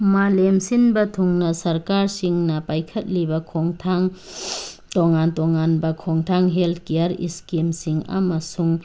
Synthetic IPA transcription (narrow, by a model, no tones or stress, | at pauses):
malemsinbɐtʰuŋnɐsɐɾkaɾsiŋnɐpajkʰɐt̚libɐkʰoŋtʰaŋ | tɔŋantɔŋanbɐkʰɔŋtʰaŋɦelt̚kejaɾḭskimsiŋa̰mɐsuŋ